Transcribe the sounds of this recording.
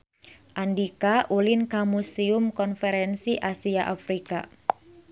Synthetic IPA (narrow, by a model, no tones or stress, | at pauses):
ʔandikaʔulɪnkamusiʊmkɔnfɛɾɛnsiʔasiaʔafɾika